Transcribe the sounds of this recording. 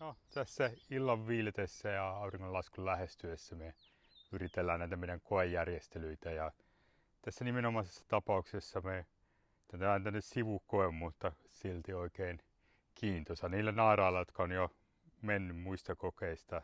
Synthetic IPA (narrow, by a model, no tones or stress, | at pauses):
not̪æsːæilːɑʋʋiːlet̪esːæjɑɑuriŋkolɑskullæhest̪yesːæme | yrit̪elːæːnæit̪æmeˑijeŋkoejːærjest̪elyit̪æjɑ | t̪æsːænimenomɑsesːɑ̥t̪ɑpɑuksesːɑme | t̪ːænt̪æmæːnt̪ænːessiʋukoemmut̪ːɑ | silt̪ioikeːn | kʰiːnt̪osɑniːlːænɑirɑːlːɑjot̪kɑonjo | menːymmuist̪ɑkokeist̪ɑ